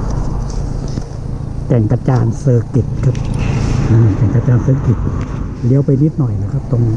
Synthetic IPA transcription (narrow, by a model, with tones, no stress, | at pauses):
kɛ˨˩ŋka˧t͡ɕaː˧nsɤː˧ki˨˩t̪̚kʰa˦˥p̚naː˧˨˩kɛ˨˩ŋka˧t͡ɕaː˧nsɤː˧ki˨˩t̪̚ | li˧˦əwpa˧jni˦˥t̪̚nɔ˨˩jlaː˧˩kʰa˦˧˩p̚t̪o˧ŋ